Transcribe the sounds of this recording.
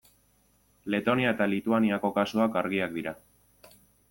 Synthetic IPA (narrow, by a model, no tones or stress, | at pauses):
le̞t̪o̞niaet̪alit̪uaniako̞kasuakaɾɣ̞iak̚d̪iɾa